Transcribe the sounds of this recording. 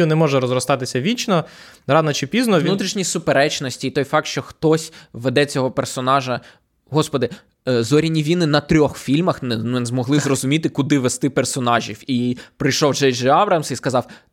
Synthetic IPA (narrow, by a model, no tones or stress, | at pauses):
unɛmɔʒɛɾɔzɾɔst̪ɑt̪ɪsʲɐʋʲit͡ʃnɔ | ɾɑnɔt͡ʃɪpʲiznɔnut̪ɾʲiʃnʲisʊpeɾɛt͡ʃnɔsʲtʲiːt̪ɔjfɑk̚t̪ʃt͡ʃɔxt̪ɔsʲʋed̪ɛt͡sʲɔɦɔpersɔnɑʒɐ | ɦɔspɔd̪ɪ | zɔɾʲinʲiʋʲinɪnɐt̪ɾʲɔxfʲilʲmɐxnnzmɔɦlˠɪzrɔzʊmʲit̪ɪkʊd̪ɪʋest̪ɪpersɔnɑʒʲiwipɾɪjʃɔwd͡ʒɛjd͡ʒeɑʋɾɐmsiskɐzɑw